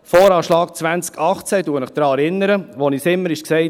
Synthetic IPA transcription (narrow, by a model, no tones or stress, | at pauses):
fɔːɾɑːʃlɑːk̚t͡sʋænt͡skɑχt͡sɛduːəmɪχd̥ɾɑːɛɾɪnːəɾəʋɔnisɪmːəɾɪʃksɛɪt